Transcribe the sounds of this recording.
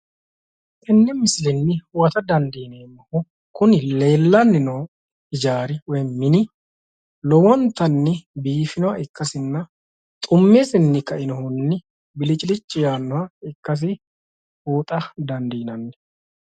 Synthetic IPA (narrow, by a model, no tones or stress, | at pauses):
ʔɪnːɛmɪsɪlɛnːɪwɐt̪ɐd̪ɐnd̪iːneːmːɐhɔ | kʊnɪle̞ːlːɐnːɪnɔw | ɪd͡ʒaːɾɪwɔjmɪnɪ | lɔwɔnt̪ɐnːɪbiːfɪnɔwɐʔɪkːɐsɪnːɐ | t̪ʼʊmːeːsɪnːɪkɐʔɪnɔhɔnːɪ | bɪlɪt͡ʃʼɪlɪt͡ʃʼːɪjaːnːɔwɐɪkːɐs̬ɪ | huːt̪ʼɐd̪ɐnd̪iːnɐnːɛ̥